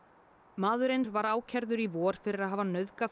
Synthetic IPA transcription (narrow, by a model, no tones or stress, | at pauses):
maːðʏɾejnɾvaɾaːwcʰɛɾðʏɾivɔːɾ̥fɪɾɪɾaðɦaːvanœðka